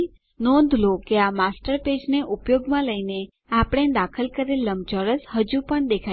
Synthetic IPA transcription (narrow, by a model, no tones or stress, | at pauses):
nɔ̃nd̪ʱlokeamasʈəɾped͡ʒneʔupjoɡmãləine | apɽ̃ed̪akʰəlkəɾelːəmt͡ʃɔɾəsɦəd͡ʒũpəɳd̪ekʰ